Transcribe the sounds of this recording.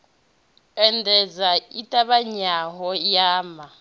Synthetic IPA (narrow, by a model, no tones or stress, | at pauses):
ɛndʱɛd͡zaitʼaβaɲaɦɔjaːma